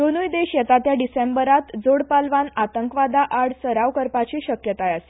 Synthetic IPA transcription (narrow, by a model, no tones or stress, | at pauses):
d̪onujd̪eɕjɛt̪at̪jaɖisembəɾat̪d͡zoɽpalʋanat̪əŋkʋad̪aʔaɽsəɾaʋkəɾpat͡ɕiɕəkjət̪ajase̥